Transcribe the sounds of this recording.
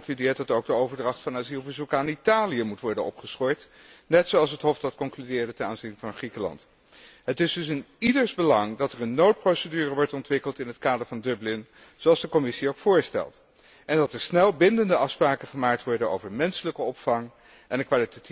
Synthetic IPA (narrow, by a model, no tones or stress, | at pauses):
ŋklydɪːɹt̚dɑtowɡ̚dəowvəɹdrɑχtfɑnaːzilˠvəɹzukaːnitaːlijəmutʋɔɹdənɔ̰pχəsχɔjt | nɛtsowɑlˠsətɦɔfdɑtkɔŋklydɪːɹdətɛnaːnzinvɑnχrikəlɑ̰nt | ɦətɪzdɵsɪnidəɹzbəlɑŋdɑtəɹənːowt̚prowsədyːrəʋɔɹtɔntʋɪkəlˠtɪnɦətkaːdəɹvɑndɵblɪn | zoɑlˠzdəkɔmɪsiowkfʊːɹstɛ̰lˠt | ɛndɑtəɹsnɛlˠbɪndəndəɑfspraːkəχəmaːk̚tʋɔɹdəno̰wvəɹmɛnsələkəɔpfɑŋ | ʔɛndəkʋaːlitati